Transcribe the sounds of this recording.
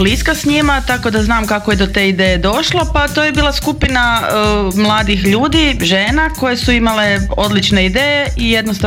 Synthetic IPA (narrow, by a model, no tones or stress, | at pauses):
bliskasɲimat̪ako̞d̪aznaːmkakojed̪o̞t̪eid̪ejed̪o̞ʃlˠopat̪ojebiːlˠaskupina | mlˠaːd̪ixʎuːd̪iʒeːnako̞je̞suimale̞o̞d̪lit͡ʃne̞id̪eːjeʔije̞d̪nost̪a